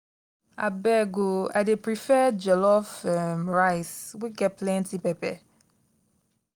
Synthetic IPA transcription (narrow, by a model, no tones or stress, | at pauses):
a̰bɛɡoa̰jdepɹifɛd͡ʒɛlɔfɛmɹaɪswiɡɛt̚plɛ̃ntipɛpɛ